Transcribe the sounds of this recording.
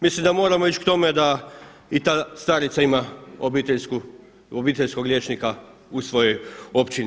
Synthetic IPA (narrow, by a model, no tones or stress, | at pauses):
mislimd̪amo̞ːɾamo̞it͡ʃkt̪o̞med̪a | it̪ast̪aɾit̪saimaobit̪esku | obiːt̪eʎʲsko̞ɡɾʎjeːt͡ʃnika | usʋo̞jo̞jo̞pt͡ʃini